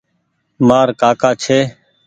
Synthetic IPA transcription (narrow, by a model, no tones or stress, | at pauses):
maːɾkaːkaːt͡ʃʰeː